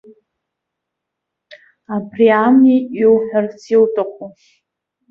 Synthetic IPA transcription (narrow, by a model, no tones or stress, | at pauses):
abriamiiwħᶣart͡sʰiltʼaqʷʼu